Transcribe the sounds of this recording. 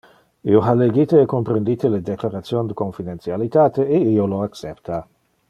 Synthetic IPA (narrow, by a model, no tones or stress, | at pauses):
ḭoɦaleɡit̪eːkompɾend̪it̪eled̪eklaɾat̪sjond̪əkoɱfid̪ent̪sjalit̪aːt̪eeioloaksept̪a